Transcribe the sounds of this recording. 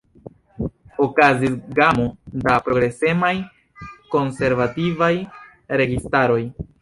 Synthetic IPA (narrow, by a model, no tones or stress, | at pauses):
okazisɡamodapɾo̞ɡɾe̞se̞maj | ko̞nse̞ɾvativaj | ɾe̞ɡistaɾo̞j